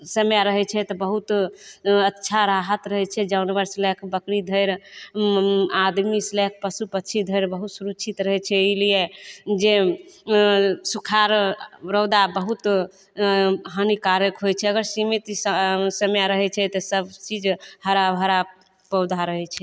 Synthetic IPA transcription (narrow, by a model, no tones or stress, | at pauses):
səmjaɾəɦɛt͡ʃʰɛt̪ɔbəɦut̪ | ətːʃʰaɾaɦət̪ɾəɦɛt͡ʃʰɛd͡ʒawnibəɾslɛkʰbəkɾid̪ʱəjɾ | ad̪mislɛk̚ʰpəsupət͡ʃʰid̪ʱəjɾbəɦut̪suɾut͡ʃʰit̪ɾəɦɛt͡ʃʰɛilijed͡ʒe | sukʰaɾɾəwd̪abəɦut̪ | ɦənikaɾəkɦojt͡ʃʰɛəɡəɾsimit̪səmjaɾəɦɛt͡ʃʰɛt̪ɔsəbt͡ʃid͡ʒhəɾabɦəɾa | pəwd̪ʱaɾəɦɛt͡ʃʰɛ